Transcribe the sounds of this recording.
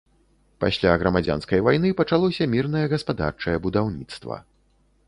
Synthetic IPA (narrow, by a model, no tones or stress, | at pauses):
pa̰sʲlʲaɣɾɐmad͡zʲa̰nskɐjvajnɨpɐt͡ʂalˠɔsʲɐmʲirnɐjɛɣɐspad̪a̰rt͡ʂɐjɛbud̪awnʲit̪st̪vɐ̰